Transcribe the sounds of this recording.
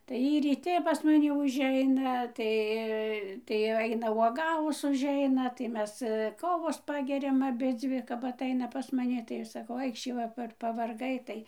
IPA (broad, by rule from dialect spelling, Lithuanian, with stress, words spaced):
tɐɪ ˈjiː rʲiːˈtʲɪ pɐs mɐˈnʲɪ ʊʒʲˈɛɪnɐ ˈtɐɪ tɐɪ jɛʊ ˈɐɪnɐ uɔˈɡɑːʋʊs ʊʒʲˈɛɪnɐ tɐɪ ˈmʲɛs ˈkoːʋoːs ˈpɑːɡʲɛrʲɛm ɐˈbʲɪd͡zʲʋʲɪ kɐp ɐˈtɐɪnɐ pɐs mɐˈnʲɪ tɐɪ ˈɐʃ sɐˈkɐʊ ˈɐɪkʃʲiː ʋɐ ˈpɐr pɐʋɐrˈɡɐɪ ˈtɐɪ